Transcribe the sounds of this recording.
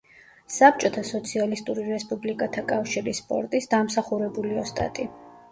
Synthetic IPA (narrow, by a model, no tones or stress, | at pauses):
sap̚t͡ʃʼɔt̪ʰasɔt̪sʰialist̪ʼuɾiɾɛspʼublikʼat̪ʰakʼafʃiɾispʼɔ̰ɾt̪ʼisd̪amsaχuɾɛbuliɔst̪ʼa̰t̪ʼi